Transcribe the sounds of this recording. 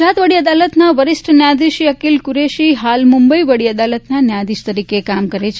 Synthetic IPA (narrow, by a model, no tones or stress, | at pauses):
at̪ʋəɽiəd̪alət̪naʋəɾɪsʈʰnjad̪iʃjəkilkuɾeʃiɦalmʊmbəiʋəɽiəd̪alət̪nanjãd̪iʃt̪əɾikekamkəɾet͡ʃʰ